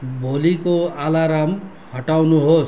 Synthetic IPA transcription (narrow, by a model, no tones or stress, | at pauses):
bʱolikoalaɾam | hʌʈawnuɦos